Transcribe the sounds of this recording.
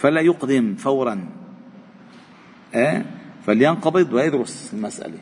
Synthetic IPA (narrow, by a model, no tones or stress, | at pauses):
falajʊqd̪ɪmfawɾˤɑn | ʔæːfaljɑnqɑbɨd̪ˤwjɑd̪ɾʊsɪlmasʔa̰le